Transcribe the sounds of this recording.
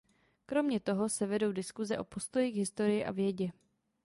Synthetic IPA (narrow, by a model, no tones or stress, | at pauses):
kɾo̞mɲɛt̪o̞ɦo̞sɛvɛdo̞wdɪskuzɛʔo̞po̞st̪o̞jiɡɦɪst̪o̞ɾɪjɪʔa̰vjɛɟɛ